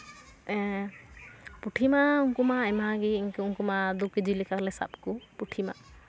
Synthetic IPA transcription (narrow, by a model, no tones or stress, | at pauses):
ɛ | puʈʰimauŋkumaɛmaɡiŋkuŋkumad̪ukid͡ʒilikaklɛsa̰p̚kupuʈʰima̰